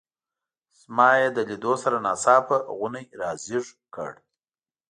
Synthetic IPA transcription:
smɑjed̪əlid̪osaɾanɑsɑpəɣʊnajɾɑziʐkə̰ɽ

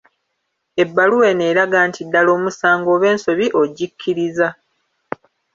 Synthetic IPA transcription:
e̞bːaluwe̞ne̞ːɾaɡaːntʰidːalo̞ːmusaːŋɡo̞ːβe̞ːnso̞βiʔo̞ɟikʰːiɾiza

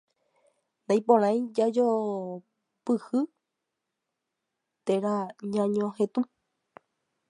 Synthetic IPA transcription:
nãj̃põɾ̃ãj̃d͡ʒad͡ʒo | pɨhɨ | t̪eɾaɲãɲõhẽt̪u

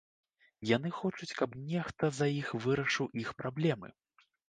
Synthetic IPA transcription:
janɨxɔt͡ʂut͡sʲkɐpnʲɛxt̪ɐzajixvɨɾɐʂɨwʔixpɾablʲɛmɨ̰

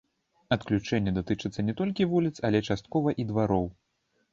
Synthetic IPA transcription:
ɐt̪klʲut͡ʂɛnʲːɛd̪at̪ɨt͡ʂɨt̪sːɐnʲɛt̪ɔlʲkʲivulʲit̪sɐlʲɛt͡ʂast̪̚kɔvɐʔid̪vaɾɔw

